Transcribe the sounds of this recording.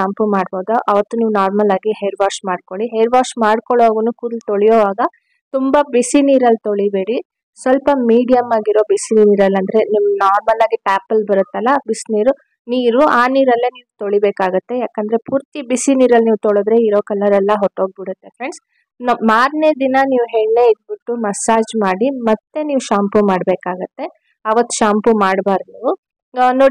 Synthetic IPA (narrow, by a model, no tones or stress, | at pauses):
ampumaːɽboːd̪uʔɐʋɐt̪ːuniːʋunaːɾmɐlaːɡiɦeːɾʋaːɾʂmaːɖ̚koɭiɦeːɾʋaːɾʂmaːɽkoɭoɡunuːkuːd̪lt̪oɭijoːʋaːɡɐ | t̪umbɐbisiniːɾɐlːt̪oɭibeːɽi | sʋɐlpɐmiːɖijɐmaːɡiɾoːbisiniːniːɾɐlːɐnd̪ɐɾe̞niʋnaːɾmɐlaːɡiʈaːpːɐlbɐɾut̪ːɐlːɐbisiniːɾu | niːɾuaːniːɾɐlːɐniːʋut̪oɭibeːkaːɡut̪ːe̞jaːkɐnd̪ɐɾe̞puːɾt̪ibisiniːɾɐlniːʋut̪oɭod̪ɾe̞iɾo̞ːkɐlːɐɾɛlːɐɦɔʈːoːɡ̚biɽut̪ːe̞fɾeɳɖs | nmaːɾned̪inɐniːʋuɦeːɭne̞ːid̪̚biʈːumɐsaːd͡ʒmaːɽimɐt̪ːe̞niːʋuʃaːmpumaːɽbeːkaːɡɐt̪ːe̞ | ɐʋɐt̪ːu̥ʃaːmpumaːɽbaːɾd̪u | noːɽi